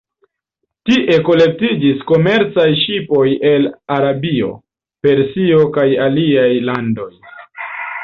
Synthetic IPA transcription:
tiʔe̞ko̞le̞k̚tid͡ʒisko̞me̞ɾt͡sajʃipo̞je̞laɾabio̞̰ | pe̞ɾsio̞kajaliajlando̞j

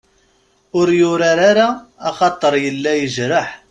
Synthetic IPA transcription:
ʊɾjʊɾaɾaɾaːχɑt̪ˤːəɾˤjəlːæjəʒɾəħ

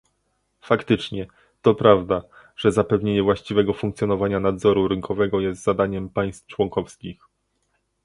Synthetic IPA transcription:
fakt̪ɘt͡ʂɲɛ | t̪ɔpɾavd̪a | ʐ̥ɛzapɛvɲeɲɛvwaɕt͡ɕivɛɡɔfuŋkt̪sʲjɔnɔvaɲanad̪zɔɾuɾɘŋkʰɔvɛɡɔjɛst̪zad̪aɲɛmpaj̃st̪ft͡ʂwɔŋkɔfskʲix

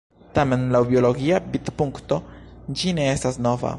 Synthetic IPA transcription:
tame̞nlawbio̞lo̞ɡiabitpuŋkto̞d͡ʒine̞e̞stasno̞va̰

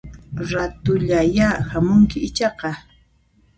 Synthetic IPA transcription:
ɾat̪ʊʎajahamʊŋkɪɪt͡ʃɑqɑ

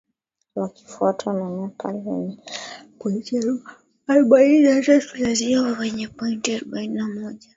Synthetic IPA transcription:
waki̥fuatʰanaɲakʰalɛ̰ɲɛkwɛt͡ʃaɾu | aɾɔɓaininnatatulaziawawɛɲɛpɔintiaɾɔɓaininamɔʄa

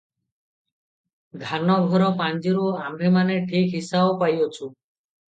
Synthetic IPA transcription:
ɡ̪ʱanɔɡʱɔɾɔpand͡ʒiɾuamimaneʈʰikɦisabopajot͡ʃʰu

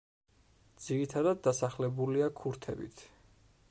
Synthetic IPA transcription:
d̪z̥iɾit̪ʰad̪ad̪ːasaχlɛbuliakʰuɾt̪ʰɛ̰bḭt̪ʰ

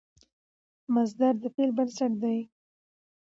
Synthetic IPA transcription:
mazd̪aɾd̪əpelbənsaʈ̚d̪aj

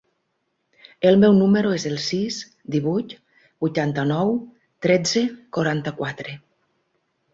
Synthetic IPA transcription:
elmɛwnumeɾoezelˠsis | d̪iβujt̪ | bujt̪ant̪anɔw | t̪ɾed͡zekoɾant̪akwat̪ɾe

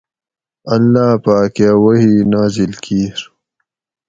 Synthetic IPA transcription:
ɐlːaːpaːkjawɐɦiːnaːzilkiːɾ

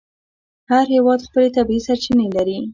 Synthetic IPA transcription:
haɾhewɑd̪xpəlet̪abisaɾt͡ʃinelaɾi

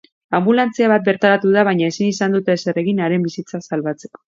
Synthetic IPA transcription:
ambulant͡siaβat̪̚be̞ɾt̪aɾat̪uð̞aβ̞ajɲae̞sinisand̪ut̪eːsere̞ɣ̞inaɾe̞mbisit͡sasalβat͡se̞̥ko

